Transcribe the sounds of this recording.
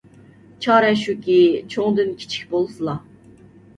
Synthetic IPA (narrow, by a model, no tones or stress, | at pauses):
t͡ʃʰɑːɾɛʃukʲʰit͡ʃʰoŋd̪ynkʲʰi̥t͡ʃʰi̥k̚ʲbolˠsɨlˠɑ